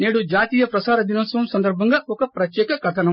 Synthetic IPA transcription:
neːɽud͡ʒaːt̪iːjɐpɾɐsaːɾɐd̪inɐːsʋɐmsɐnd̪ɐɾbʱɐŋɡɐɔkɐpɾɐt̪jɛːkɐɡʱɐʈ̪ʰɐnɐ

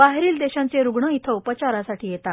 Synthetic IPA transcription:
baɦɾiːld̪eɕãnt͡seɾuɡɳəit̪ʰəupət͡ɕaɾasaʈiːjet̪a

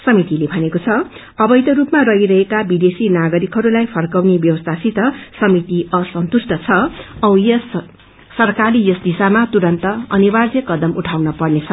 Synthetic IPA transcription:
sʌmit̪ilebʱʌnekot͡sʰʌ | ʌbʌjt̪ʌɾupmarʌɦiɾʌɦekabid̪esinaɡʌɾikɦʌɾulajpʰʌrkʌwnebjʌwʌst̪ʰasit̪ʌsʌmit̪iʌsʌnt̪usʈʰʌt͡sʰʌʌwjʌsː | ʌrkaɾijʌsd̪isamat̪uɾʌnt̪ʌʌnibad͡zjʌkʌd̪ʌmʔuʈʰawnʌpʌrnet͡sʰʌ

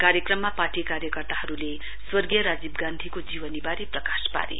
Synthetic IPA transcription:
kaɾjʌkrʌmːapaʈikaɾjʌkʌrt̪ahʌɾule | swʌrɡijʌɾad͡zibɡand̪ʱikod͡ziwʌnibaɾeprʌkaspa̰ɾḛ

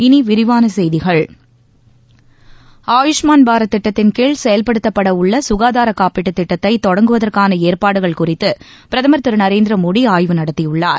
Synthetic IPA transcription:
ɪniʋɪɾɪʋaːnɐsɛjðɪɣɐɭ | aːjʊʂmaːnbaːɾɐt̪ːɪʈːɐt̪ːɪnkeːɭsɛjɐlpɐɽɯt̪ːɐpːɐɽɐʊɭːɐsʊɣaːðaːɾɐkaːpɪʈːɯt̪ːɪʈːɐt̪ːɐɪt̪ːɔɽɐŋɡɯʋɐðɐrkaːnɐeːɾpaːɽɯɣɐɭkʊrɪt̪ːɯ | pɪɾɐðɐmɐɾt̪ːɯɾnɐɾeːnd̪ɪɾɐmoːɽiaːjʋɯnɐɽɐt̪ːɪjɯɭːaːɾ

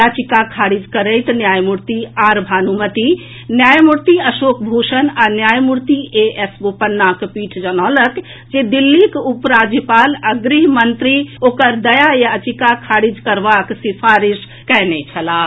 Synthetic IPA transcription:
jat͡ʃikakʰaɾid͡ʒkəɾəjt̪njajmuɾt̪iaɾbʱanumət̪i | njajmuɾt̪iəsokbʱuʃənanjajmuɾt̪iʔeesbopənːakpiʈʰd͡ʒənɔlək | d͡ʒed̪ilːikupɾad͡ʒjipaləɡɾiɦmənt̪ɾiokəɾd̪əjajat͡ʃikakʰaɾid͡ʒkəɾbaksipʰaɾis | kɛnɛt͡ʃʰəla

